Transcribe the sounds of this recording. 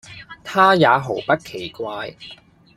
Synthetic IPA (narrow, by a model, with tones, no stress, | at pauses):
t̪ʰaː˥jaː˨˧ɦo˨˩wpɐ˥t̚kʰe˨˩jkʷaː˧j